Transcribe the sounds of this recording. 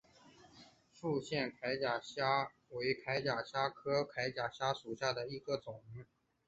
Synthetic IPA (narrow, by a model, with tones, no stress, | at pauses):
fu˥˧ɕjɛ˥˩nkʰa˧˥ɪt͡ɕja˨˩ɕja˥ | we˧˥ɪkʰa˧˥ɪt͡ɕja˨˩ɕja˥kʰɤ˥kʰa˧˥ɪt͡ɕja˨˩ɕja˥ʂu˨˩ɕja˥˩d̪ə˩i˧˥ɡə˧t͡sʊ˨˩˦ŋ